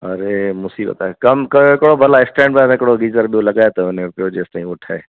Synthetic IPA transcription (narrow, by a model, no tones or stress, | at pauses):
ɐɾemʊsiːbə̰t̪akɐmkɐɪkɽobʱɐlaɪsʈɛ̃ːɳɖbamɪkɽoɡiːzəɾɓijolɐɡaːet̪ɐʊnẽpɪoːd͡ʒeːst̪aːĩʊʈʰaːeː